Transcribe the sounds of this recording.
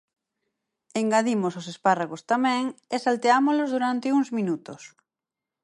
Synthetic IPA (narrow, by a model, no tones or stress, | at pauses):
eŋɡaðimososesparaɣost̪amɛ̃ŋesalt̪eamozlozðuɾant̪ɪuŋzmĩnut̪os